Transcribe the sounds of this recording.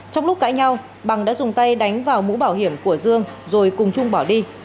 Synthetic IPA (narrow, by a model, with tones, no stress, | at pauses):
t͡ɕɔ˧wŋ͡mlʊ˦˥k͡p̚ka̰ː˧˥jɲa˧w | ɓa˨˩ŋɗa̰ː˧˥zʊ˨˩ŋ͡mt̪a˧jɗa˨˦jŋ̟vaː˨˩wmṵ˧˥ɓaː˧˩whi˧˩əmku˧˩əzɨ˧əŋzo˨˩jkʊ˨˩ŋ͡mt͡ɕʊ˧ŋ͡mɓɔ˧˩ɗi˧